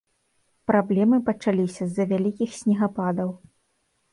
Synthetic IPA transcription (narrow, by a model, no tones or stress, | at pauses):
pɾablʲɛmɨpɐt͡ʂalʲisʲɐzːɐvʲalʲikʲixsʲnʲiɣapad̪ɐw